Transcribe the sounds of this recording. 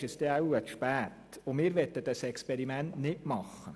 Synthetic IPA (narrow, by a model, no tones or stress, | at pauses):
ʃɛsd̥̪ɛawətʃpæːt̪ʊmɪːɾʋɛtːəd̥ɑsɛkspɛɾimæntnɪtmɑχːə